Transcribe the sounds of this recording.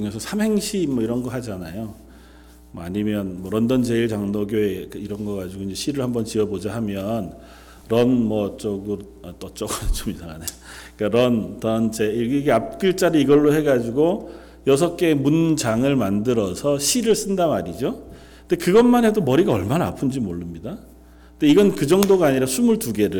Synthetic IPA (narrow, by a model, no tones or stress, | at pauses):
uŋesʰʌsʰamɦe̞ŋɕʰimʌiɾʌnɡʌhad͡ʑanajo | mʌa̰ɲimjʌnmʌɾʌndʌnt͡ɕe̞iɭt͡ɕaŋnoɡjoekiɾʌnɡʌkad͡ʑiɡoind͡ʑeɕʰiɾɯɭhambʌnt͡ɕiʌbod͡ʑaɦamjʌn | ɾʌnmʌt͡ɕ͈ʌɡɯɾ | ʌt͈ʌt͡ɕ͈ʌɡʌt͡ɕ͈omisaɡanajoik͈aɾʌndʌnt͡ɕeiɡɡʰeap̚k͈ɯɭt͡ɕ͈aɾɯiɡʌɭːohe̞ɡad͡ʑiɡo | jʌsʰʌk͈e̞mund͡ʑaŋɯɭmandɯɾʌsʰʌɕʰiɾɯɭs͈ɯndamaɾid͡ʑo | ndekɯɡʌnmanɦe̞domʌɾiɡaʌɭmanaːpʰund͡ʑimoɭːɯmɲida | ntoiɡʌnkɯd͡ʑʌŋdoɡaːɲiɾasʰumuɭtuɡe̞ɾɯ